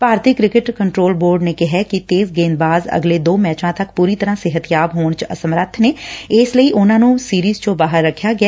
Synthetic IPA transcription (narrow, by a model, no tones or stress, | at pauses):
paːɾt̪ʰɪkɾɪkɪʈkəɳʈɾoːlboːɾɖnekɪɦɛkit̪eːzɡeːnbaːzə̰ɡleːd̪oːmɛːt͡ʃãːt̪ɐkpuːɾit̪əɾãːseɦət̪ɪjaːbɦoːɳ̃t͡ʃə̰səmɾət̪ʰneːɪːsləiːʔʊnãːnũːsiːɾiːzt͡ʃõbaːɦəɾːəkʰːjaːɡɪa